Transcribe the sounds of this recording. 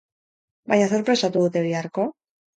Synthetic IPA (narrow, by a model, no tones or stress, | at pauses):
bajɲaso̞ɾpɾe̞sat̪uðut̪e̞βeaɾko̞